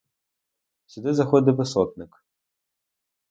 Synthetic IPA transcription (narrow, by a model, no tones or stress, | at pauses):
sʲʊd̪ɪzɐxɔd̪ɪʋɪsɔt̪̚nɪk